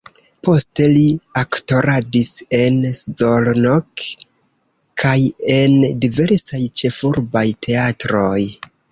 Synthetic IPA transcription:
po̞ste̞liakto̞ɾadise̞nszolnok | kʰaje̞ndive̞ɾsajt͡ʃe̞fuɾbajtʰe̞atɾo̞j

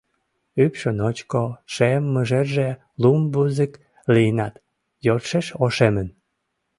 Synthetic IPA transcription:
ypʃənot͡ɕkoʃemːəʒerʒe | lumbuzək | linɑt̪ | jot̪ʃeʃoʃemən

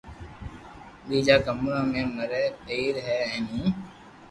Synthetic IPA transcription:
ɗiːd͡ʒaːkəmɾãːmẽːməɾɛːeiːɾɦɛːɛ̃ːnĩː

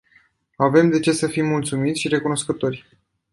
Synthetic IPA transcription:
ave̞md̪e̞t͡ʃe̞səfimːult̪sumit̪sʲʃiɾe̞kuno̞skət̪o̞rʲ

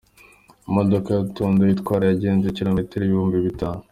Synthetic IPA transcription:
modokajatuːndojitkwaːɾajaɟeːnʒeciɾomitiɾijuːmbiβitaːno

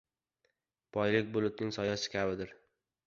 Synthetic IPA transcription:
b̥ʰɒjlɪk̚ʲbʊlˠʊt̪̚nɪŋsɒjasɪ̥kʲʰabɪd̪ɪɾ

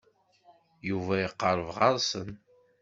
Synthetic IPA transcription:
juvæiqːəɾˤəvʁɑɾˤsən

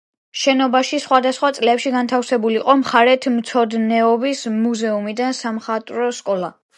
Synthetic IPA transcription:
ʃɛnɔbaʃisχwad̪asχwat̪sʼlɛpʃiɡant̪ʰafsɛbuliqʼɔmχaɾɛt̪ʰmt̪sʰɔd̪nɛɔbismuzɛumid̪ansamχat̪ʼɾɔskʼɔlˠa̰

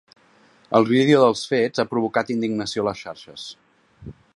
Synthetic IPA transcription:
əlˠβiðeuðəlˠsfedz̥apɾuβukat̪ind̪iɡnəsioləsʃaɾʃəs

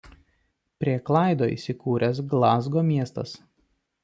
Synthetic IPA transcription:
pʲɾʲiɛklˠɑˑɪd̪oːḭːˑsʲɪkuːɾʲɛs̬ɡlˠɑːzɡoːmʲiɛst̪ɐs

